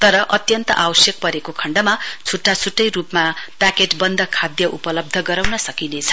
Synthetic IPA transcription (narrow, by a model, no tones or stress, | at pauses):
t̪ʌɾʌʔʌt̪jʌnt̪ʌ̰ʔawʌsjʌk̚pʌɾekokʰʌɳɖʌmat͡sʰuʈːat͡sʰuʈːʌjrupmapakeʈbʌnd̪ʱʌkʰad̪jʌʔupʌlʌb̚d̪ʱʌɡʌɾawnʌsʌkinet͡sʰʌ̥